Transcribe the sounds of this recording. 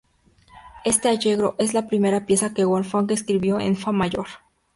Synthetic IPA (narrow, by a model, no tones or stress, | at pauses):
e̞st̪e̞aʝe̞ɣɾo̞ʔe̞zlapɾime̞ɾapje̞sakeɣwonfoŋkeskɾiβjo̞ḛnfamaʝo̞ɾ